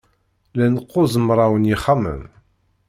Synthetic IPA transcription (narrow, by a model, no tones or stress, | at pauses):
lænəqːʊzˤəmɾˤawənjiχamə̰m